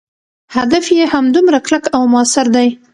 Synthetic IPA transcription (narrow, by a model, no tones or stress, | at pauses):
had̪afjehamd̪umɾaklakawmʊasɪɾd̪aj